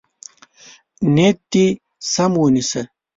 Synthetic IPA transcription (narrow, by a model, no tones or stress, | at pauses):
net̪ːi | sɐmwunisɐ